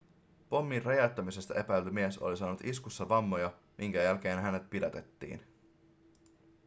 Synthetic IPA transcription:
po̞mːirrɑjɑt̪ːɑmise̞st̪ɑʔepæjlymiesolisɑːnut̪iskusːɑʋɑmːojɑ | mʔiŋkæjælk̟e̞ːnɦæne̞t̪̚pidæt̪e̞t̪ːḭːn

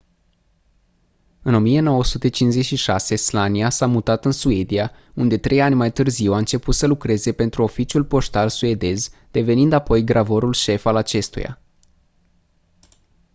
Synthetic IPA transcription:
ɨno̞mije̞no̞wəsut̪e̞t͡ʃinze̞tʃiʃase̞slaniasamut̪at̪ɨnsue̞d̪ia | und̪e̞t̪ɾe̞janʲmajt̪ɨrziwaɨnt͡ʃe̞put̪səlukɾe̞ze̞pe̞nt̪ɾuo̞fit͡ʃiulpo̞st̪alsue̞d̪e̞zd̪̥e̞ve̞nind̪apo̞jɡɾʔavo̞ɾulʃe̞falat͡ʃe̞st̪ṵja̰

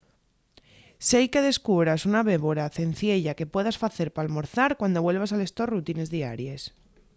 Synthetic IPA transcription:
sejke̞ðe̞skuβɾasunaβe̞βo̞ɾaθe̞nθje̞ʎake̞pwe̞ðasfaθe̞ɾpaːlmo̞ɾθaɾkwand̪o̞βwe̞lβ̞asale̞st̪o̞rut̪ine̞zðia̰ɾje̞s

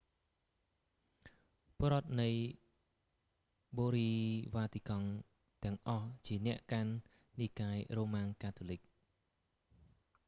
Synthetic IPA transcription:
poɾŏət̪̚nɨj | ɓoːɾiːʋaːt̪ikɑŋ | t̪ɛ̆əŋʔɑht͡ɕiənɛ̆əʔkanː | ikaːjroːmaːŋkaːt̪ʰolɨk̚

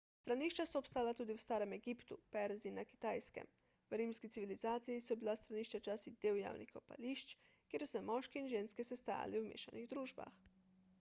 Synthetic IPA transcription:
st̪ɾaniʃt͡ʃasoːpst̪aːlat̪uːd̪iwst̪aːɾɛmeɡipt̪upɛɾzinaki̥t̪ajskɛ̰m | wɾimskit̪siʋilizaːt̪sijisɔbilast̪ɾaniːʃt͡ʃat͡ʃaːsid̪eːwja̰ːwnixkopa̰liʃt͡ʃ | kʲjeɾsɛmɔʃkeinʒeːnskesɛst̪a̰ja̰liwmḛːʃaniɣd̪ɾuːʒba̰x

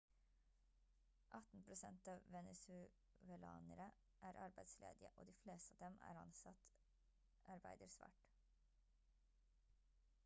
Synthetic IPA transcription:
ʔɑt̪n̩pʰɾʊsɛnt̪ɑːʋʋɛnɛsʉ | ʋɛlɑ̰ːnəɾə | ʔæːɾʔɑɾbæɪslḛːd̪ɪə̰ʔo̰ːd̪iːfleːst̪ɑːd̪ɛmæ̰ːɾɑ̰nsɑt̪ | ʔɑɾbæɪd̪əɾsʋæ̰ːʈ

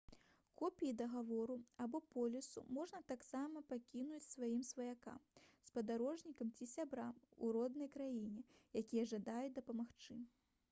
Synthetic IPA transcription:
kɔpʲijid̪ɐɣavɔɾuabɔpɔlʲisṵmɔʐnɐt̪aksamɐpakʲinut͡sʲsvajimsvɐjaka̰mspɐd̪aɾɔʐnʲikɐmt͡sʲisʲabɾamṵɾɔd̪nɐjkɾajinʲɛjakʲijɐʐad̪ajud̪ɐpɐmaxt͡ʂɨ

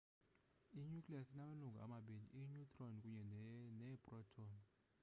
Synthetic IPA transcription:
iɲukʼlasinamaluŋɡʱa̰a̰maɓinḭʔiɲutʼrɔnkʼuɲɛnɛbʼrɔtʰɔn

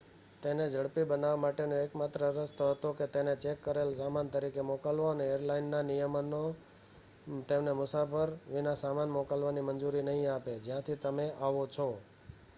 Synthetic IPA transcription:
t̪ened͡ʒəɽpibənaʋamaʈenoekmat̪ɾəɾəst̪oɦət̪oket̪enet͡ʃekːəɾelsamant̪əɾikemokalʋoəneeɾlainːanijəmno | t̪emnemʊsafəɾʋinasamanmokalʋanimənd͡ʒuɾinəɦĩaped͡ʒjãt̪ʰit̪əmeʔaʋot͡ʃʰo

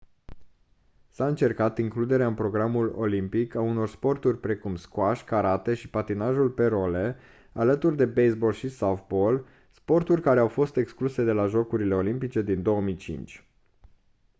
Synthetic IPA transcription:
saɨnt͡ʃe̞rkat̪iŋklud̪e̞ɾeaɨnpɾo̞ɡɾamulo̞̰limpikauno̞rspo̞rt̪urʲpɾe̞kumskwaʃʲkaɾat̪e̞ʃipat̪inaʒulpe̞ɾo̞le̞ | alət̪urd̪e̞bejsbo̞lʃisafbo̞l | spo̞rt̪urʲkaɾe̞awfo̞st̪e̞kskluse̞d̪e̞laʒo̞kuɾile̞o̞limpit͡ʃe̞d̪ind̪o̞omit͡ʃḭnt͡ʃʲ

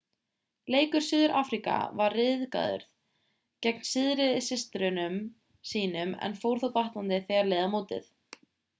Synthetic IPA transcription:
leːjkʏɾ̥sʏːðʏɾʔaːfɾika̰varːɪðka̰ːðʏ̰ɾð | cɛk̚nsɪðɾɪðɪsɪst̪ɾʏnʏm | siːnʏmɛ̰nfowɾ̥θawt̪aht̪ant̪ɪθɛːɣaɾleːjðamoːwt̪ɪ̰θ

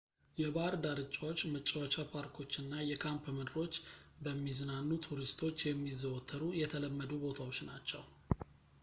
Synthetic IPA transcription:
jɛbaɾd̪aɾɨt͡ʃʼːawo̞t͡ʃːmət͡ʃʼːawat͡ʃapʰaɾkʰo̞t͡ʃːɨnːajɛkʰampmɨd̪ɨɾo̞t͡ʃːbəmːiznanːut̪ʰuɾist̪ʰo̞t͡ʃːjɛmːizːəwɔt̪ʰːəɾujɛt̪ʰələmːəd̪ubo̞t̪ʰawo̞t͡ʃːnat͡ʃːɛw

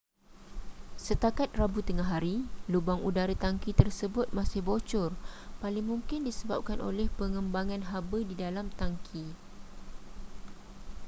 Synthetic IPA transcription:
sət̪akat̪̚rabut̪əŋaɦaɾilubaŋudaɾət̪aŋkit̪ərsəbʊt̪̚masɪhbot͡ʃʊrpalɪŋmũŋkɪndisəbap̚kanʔo̰lɛhpəŋə̃mbaŋãnɦabədidalamt̪aŋkʰi

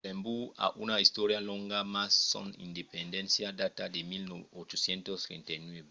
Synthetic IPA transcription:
ẽmbua̰ʔunaist̪oɾjalɔ̃ŋɡamasːɔ̰̃nḭnd̪epend̪ẽnsjad̪at̪ademilnot͡ʃosjẽnt̪ost̪ɾḛ̃nt̪ajnweβe

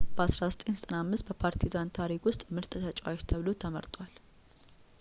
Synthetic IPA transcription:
b̥əasɾasɨt̪ʼensət̪ʼənamːɨst̪̚bəpʰaɾt̪ʰizant̪ʰaɾikwʊst̪ʼmɨɾt̪ʼt̪ʰət͡ʃʼwat͡ʃt̪ʰəβlot̪ʰəmə̰ɾt̪ʼwal

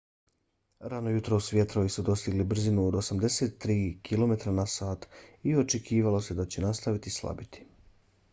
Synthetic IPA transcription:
ɾanojut̪ɾoːsʋje̞t̪ɾo̞ʋisud̪o̞st̪iɡlibr̩zinuod̪o̞samd̪e̞se̞t̪ːɾiːkʰilo̞me̞t̪ɾanasaːt̪io̞t͡ʃe̞kʰiːʋalo̞se̞d̪at͡ɕe̞nast̪aʋit̪islˠa̰bit̪i̥

